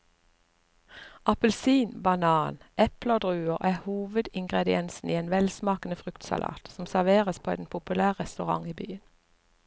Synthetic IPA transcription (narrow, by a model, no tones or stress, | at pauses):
ɑpəlsiːnbɑnɑːnʔɛpləoːd̪ʁʉːəʁʔæːhuːʋəd̪ɪŋɡʁɛd̪ɪɛnsn̩iːeːnʋɛlsmɑːkn̩əfʁʉkt̪sɑ̰lʔɑ̰ːt̪sɔm̩sæʁʋeːʁəspʰoːɛ̰npʰʊpʉlæːʁʁɛst̪ʉʁɑ̰ŋiːbyːən